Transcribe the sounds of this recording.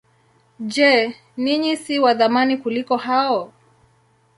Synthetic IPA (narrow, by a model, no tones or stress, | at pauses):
d͡ʒɛ | niɲisiwaðamanikulikɔhaɔ